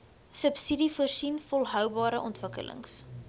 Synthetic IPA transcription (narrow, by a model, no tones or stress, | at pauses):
səpsidifərsinfɔlˠɦœwbɑːɾəʔɔntvəkə̰lʔə̰ŋs